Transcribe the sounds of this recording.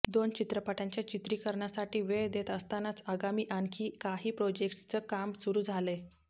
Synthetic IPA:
d̪ont͡ɕit̪ɾəpaʈãɲt͡ɕjat͡ɕit̪ɾiːkəɾɳjasaʈiːʋeɭd̪et̪əst̪anat͡saɡamiːʔankʰiːkaɦiːpɾod͡ʑekʈst͡səːkamsuɾuːd͡zʱale

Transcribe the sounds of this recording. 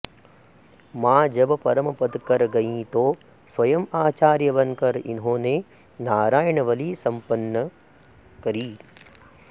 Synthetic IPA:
mãːd͡ʒɐbpɐɾəmpɐd̪kɐɾɡɐĩːt̪oː | sʋɐjɐmaːt͡ʃaːɾjɐʋɐnkɐɾɪ̰nɦõːneː | naːɾaːjəɳɐʋɐliːsɐ̃mpɐnːə | kɐɾiː

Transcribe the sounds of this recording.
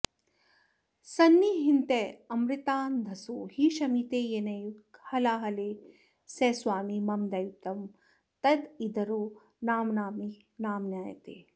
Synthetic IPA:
sɐnːiɦint̪eːɐmɾit̪aːnd̪ʱɐsoːhiʃɐmit̪eːjenɐjukhɐlaːɦɐleː | sɛːswaːmimɐmd̪ɐjut̪ɐm | t̪ɐd̪id̪ɐɾoː | naːmnaːmi | naːmnjaːjɐ̰t̪ḛː

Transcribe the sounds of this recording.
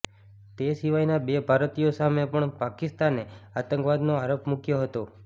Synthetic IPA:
t̪esiʋajnabebʱaɾt̪ijosamepəɳpakɪst̪aneat̪əŋkʋad̪noaɾopmukjoɦət̪o

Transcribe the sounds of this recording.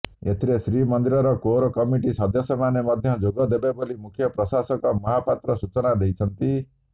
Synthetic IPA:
et̪ʰiɾesɾimɔnd̪iɾɔɾɔkoɾɔkɔmiʈisɔd̪ʱjɔsɔmanemɔd̪ʱjɔd͡ʒoɡɔd̪ebebolimukʰjɔpɾɔsasɔkɔmɔɦapat̪ɾɔsut͡ʃɔnad̪ejt͡ʃʰʌnt̪i

